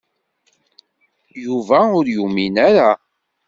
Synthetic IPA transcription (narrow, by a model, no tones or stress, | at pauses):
juvæʊɾjuminæɾa